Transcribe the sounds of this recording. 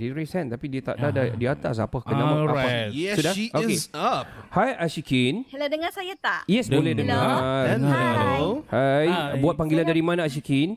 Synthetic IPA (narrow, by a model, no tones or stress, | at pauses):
diɾisɛnt̪apidiət̪a̰ʔdadadiəat̪as̬a̰pəkənamãafaɛsudaioesaphajaʃikinladəŋasajat̪aʔjɛsdbolɛhdəŋa | hajbuat̪̚paŋɡilandaɾimãnãaʃ̬ikin